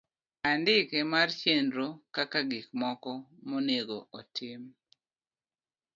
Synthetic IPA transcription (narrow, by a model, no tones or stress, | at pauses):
andɪkɛmart͡ʃendɾokakaɡikmɔkɔmoneɡoʔɔtʰɪm